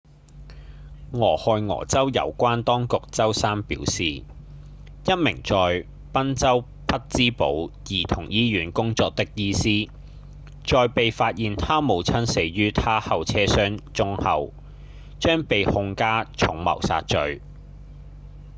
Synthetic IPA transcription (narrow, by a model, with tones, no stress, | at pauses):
ŋɔː˨˩hɔː˨˧jŋɔ̰ː˨˩t͡sɐ˥wjɐ̰˨˧wkʷaː˥nt̪ɔː˥ŋkʊ˨k̚t͡sɐ˥wsaː˥mpḭ˨˥wsiː˨˩ | jɐ˥t̚mɪ̰˨˩ŋt͡sɔː˨j | pɐ˥nt͡sɐ˥w | pʰɐ˥t̚t͡siː˥po̰˨˥wjiː˨˩t̪ʰʊ̰˨˩ŋjiː˥jyː˨˥nkʊ˥ŋt͡sɔː˨˧k̚t̪ɪ˥k̚jiː˥siː˥ | t͡ʃɔː˨˧jpe˨jfaː˧t̚jiː˨nt̪ʰaː˥mo˨˧wt͡sʰɐ˥nse˨˧˥ɥyː˥t̪ʰaː˥hɐ˨wt͡sʰɛː˥sœː˥ŋt͡sʊ˥ŋhɐ˨˧w | t͡ʃœː˥ŋpe˨jhʊ˧ŋkaː˥t͡ʃʰʊ˨˥ŋmɐ̰˨˩wsa̰ː˧t̚t͡ʃɵ˧ɥ